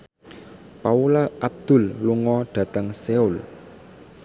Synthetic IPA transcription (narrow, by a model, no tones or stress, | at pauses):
paulaʔab̚d̪̥ʊ̤lːuŋɔɖ̪̥ä̤t̪əŋseul